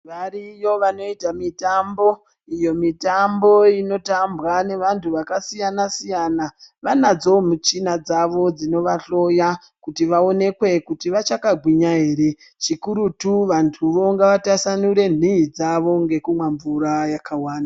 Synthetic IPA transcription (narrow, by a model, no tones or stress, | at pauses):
ʋarijo̞ʋano̞itamitambo̞ | ijo̞mitambo̞ino̞tambwane̞ʋantʰuʋakasijanasijanaʋanad͡zo̞mut͡ʃinad͡zaʋo̞d͡zino̞ʋaɬo̞ja | kutiʋao̞ne̞kwe̞kutiʋat͡ʃakaɡʱwiɲaɦe̞ːɾe̞ | t͡ʃikuɾutuʋantʰuʋo̞ŋɡeʋatasanuɾe̞n̤iid͡zaʋo̞ŋɡe̞kumwaɱvuɾajakawaːna